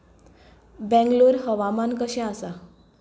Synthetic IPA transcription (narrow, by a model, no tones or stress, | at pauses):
bɛ̃ŋɡloɾɦəʋamankəɕɛ̃asa